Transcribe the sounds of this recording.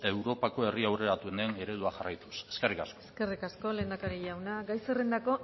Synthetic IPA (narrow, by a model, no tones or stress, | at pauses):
e̞wɾo̞pako̞e̞riawre̞ɾat̪uenene̞ɾe̞ð̞uaxarajt̪u̥se̞̥skerikasko̥kerikasko̞le̞ːnd̪akaɾiʝawnaɡajserend̪ako̞